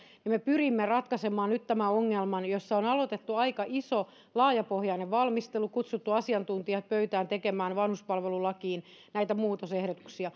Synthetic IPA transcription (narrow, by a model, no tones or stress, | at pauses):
nɑmepyrimːerɑt̪kɑsemɑːnnyt̪t̪æmæoŋːelmɑnjosːɑonɑlot̪et̪ːuɑikɑʔiso | lɑːjɑpohjɑneʋʋɑlmist̪elukut̪sut̪ːuɑsiɑnt̪unt̪iɑt̪̚pøyt̪æːnt̪ekemæːnʋɑnhuspɑlʋelulɑkiːn | næit̪æmuːt̪osehɾot̪u̥ksiɑ